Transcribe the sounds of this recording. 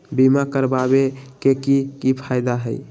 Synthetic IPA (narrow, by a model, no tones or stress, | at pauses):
bimakəɾbabekekikipʰajd̪aɦəj